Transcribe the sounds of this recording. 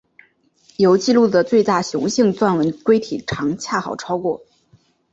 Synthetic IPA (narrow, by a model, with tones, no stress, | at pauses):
jo˧˥ʊt͡ɕi˥˧lu˥˩d̪ə˩t͡swe˥˧ɪt̪a˥˩ɕjʊ˧˥ŋɕi˥˧ŋt͡swa˥˩nwə˧˥nkwe˥ɪt̪ʰi˨˩ʈ͡ʂʰɑ˧˥ŋt͡ɕʰja˥˩xɑ˨˩ʊʈ͡ʂʰɑ˥ʊkwɔ˥˩